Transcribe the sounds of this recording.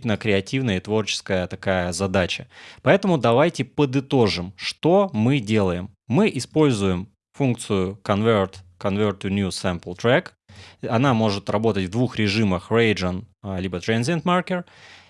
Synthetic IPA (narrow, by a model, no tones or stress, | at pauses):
nəkɾʲɪɐtʲivnəjəɪt̪vo̞rt͡ɕɪ̥skəjət̪ɐkajəzɐd̪at͡ɕəpɐɛt̪əmʊd̪ɐvajtʲɪpəd̪ɨt̪o̞ʐɨmʂt̪o̞mɨdʲe̞lˠəjɪmːɨʔɪspo̞lʲzʊjɪm | funk̚t̪sɨjʊkɐnvʲert̪kɐnvʲert̪ʲːʊnʲjusɛmpəlˠt̪ɾɛk | ɐnamo̞ʐɨt̪rɐbo̞t̪ətʲvd̪vuxɾʲɪʐɨməxrejʐənlʲibət̪ɾɛnzʲɪnt̪markʲɪr